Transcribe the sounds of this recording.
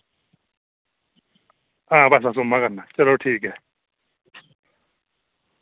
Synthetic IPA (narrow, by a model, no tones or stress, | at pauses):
abas̬as̬omːakanːat͡ʃʼɛlatʰikɛ